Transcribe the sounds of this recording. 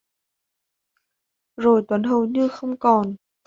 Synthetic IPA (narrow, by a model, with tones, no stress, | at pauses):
zo˨˩jt̪wə˨˦nɦə˨˧˩wɲɨ˧xə˧wŋ͡mkɔ˨˩n